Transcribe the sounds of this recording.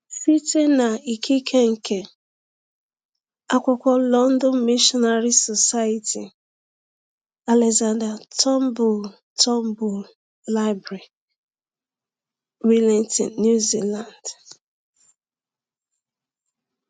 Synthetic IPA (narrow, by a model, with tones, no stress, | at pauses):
fi˦te˦na˨i˨kʰi˦kʰe˦ŋ̩˨kʰe˨ | a˦kʷʊ˨kʷɔ˦lɔ˦n̩˦dɔ˦n˦mi˦ʃɔ˦na˨ɾi˦sɔ˨sa˦i˨tʰḭ˨ | a˨lɛ˨za˨nda˨tɔ˦m˦bu˨l | tʰɔ˦m˦bu˨l | la˦ɪ˦bɾe˨ | wi˦lɛ˨ntḭ˨nju˦zi˦la˨nd